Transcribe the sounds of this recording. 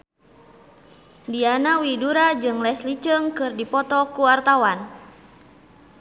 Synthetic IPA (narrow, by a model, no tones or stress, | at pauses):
dianawiduɾad͡ʒɨŋlɛslit͡ʃəŋkɨrdipɔt̪ɔkuart̪awan